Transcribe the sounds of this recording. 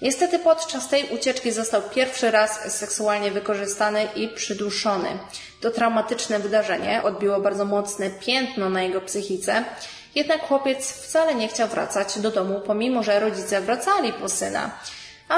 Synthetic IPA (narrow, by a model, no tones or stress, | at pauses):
ɲɛst̪ɛt̪ɘpɔt̪t͡ʂast̪ɛjʔut͡ɕɛt͡ʂkʲizɔst̪awpʲjɛɾfʂɘɾasːɛksualɲɛvɘkɔʐɘst̪anɘʔipʂɘd̪uʂɔnɘ̰ | t̪ɔt̪ɾawmat̪ɘt͡ʂnɛvɘd̪aʐɛɲɛʔɔd̪̚bʲiwɔbaɾd̪zɔmɔt̪snɛpʲjɛnt̪nɔnajɛɡɔpsɘxʲit̪sɛ | jɛd̪nakːxwɔpʲjɛt̪sft̪salɛɲɛxt͡ɕawvɾʔa̰t̪sad͡ʑd̪ɔd̪ɔmupɔmʲimɔʐɛɾɔd͡ʑit̪sɛvɾat̪salʲipɔsɘna̰ | a